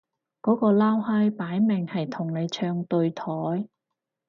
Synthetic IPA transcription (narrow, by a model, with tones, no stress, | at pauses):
kɔː˨˥kɔː˧laː˥whɐ˥jpaː˨˥jmɪ˨˩ŋhɐ˨jt̪ʰʊ˨˩ŋne˨˧jt͡ʃʰœː˧ŋt̪ɵ˧ɥt̪ʰɔː˨˥j